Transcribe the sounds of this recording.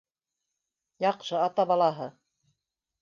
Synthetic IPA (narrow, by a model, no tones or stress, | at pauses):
jɑqʃɤɑt̪ɑbɑlˠɑɦɤ